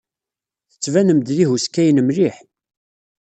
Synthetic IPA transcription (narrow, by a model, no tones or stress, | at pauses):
θə̥t͡sːvænəmd̪ðihuskːæjnəmliħ